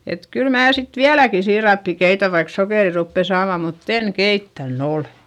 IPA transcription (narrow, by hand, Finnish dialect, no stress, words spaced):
et kyl mæː sit ʋiælæki siːrɑpːi keitæ ʋɑik sokeˑri rupːe sɑːmɑ mutː en keitːæn ole̥